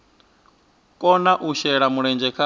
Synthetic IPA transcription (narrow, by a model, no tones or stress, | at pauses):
kʼɔnaʔuʃɛɺamuɺɛnd͡ʒɛkʰa